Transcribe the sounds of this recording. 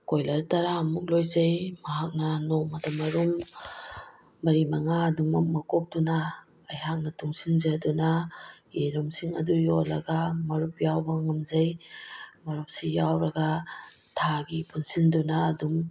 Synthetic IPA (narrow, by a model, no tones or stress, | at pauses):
kojlɐɾtaɾaːmuk̬̚lojzɐjmɐɦak̚nɐnomɐdɐmɐɾum | ɐɾimaŋaːduŋmɐk̚mɐkɔp̚dunaː | jhak̚nɐtuŋsinzadunaeɾumsiŋɐ̰dujolɐ̰ɡamɐɾup̚jawbɐŋɐmzɐj | mɐɾup̚sijawɾɐɡa | tʰaɡipunsindunaːdum